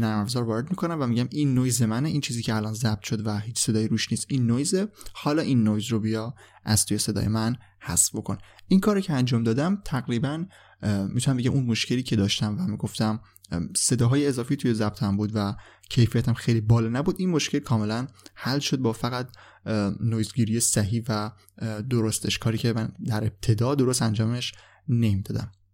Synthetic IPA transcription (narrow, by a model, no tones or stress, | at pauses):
næɾmæfzɒːɾvɒːɾe̞d̪mikʰo̞næmvæmiɟæmʔinːojzemæneʔint͡ʃʰiːziːcʰeælɒːnzæb̥̚t̪ʰʃod̪væhiːt͡ʃʰse̞d̪ɒːjiɾuːʃniːst̪inːojzehɒːlɒːʔinːojzrobijɒ | ʔæz̥t̪ʰuːje̞se̞d̪ɒ̰ːjemæn | hæsfbo̞kʰonʔinkʰɒːɾocʰeænd͡ʒɒːmd̪ɒːd̪æmt̪ʰæɣɾiːbæn | mit̪ʰunæmbeɟæmʔunmoʃcʲʰe̞liːcʰe̞d̪ɒːʃt̪æmvæmiːɡo̞ft̪æm | se̞d̪ɒːɦɒːjeːzɒːfiːt̪ʰuje̞zæb̚t̪ʰæmbuːd̪væ | cʰe̞jfijæt̪ʰæmxejlibɒːlɛnæbuːd̪inmoʃcelkʰɒːme̞lænhælʃo̞d̪̚bɒːfæɣæt̪̚ | nojzɡiːɾijesæɦiːvæ | d̪oɾost̪ʰeʃkʰɒːɾiːcʰe̞mænd̪æɾeb̚t̪ʰe̞d̪ɒːd̪o̞ɾost̪ænd͡ʒɒːmeʃ | nemid̪ɒːd̪æ̰m